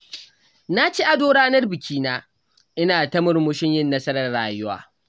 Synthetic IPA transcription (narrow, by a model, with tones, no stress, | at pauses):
na˦t͡ʃiː˦ʔa˨doː˦ɽaː˦nɐ˦rbɪ˨kʲiː˦naː˦ | ʔɪ˦naː˨tɐ˦mʊ˨rmʊ˦ʃɪ˦ɲjɪ˦nːɐ˦sɐ˦ɾɐ˨rɽaː˨jʊ˦wa̰ː˦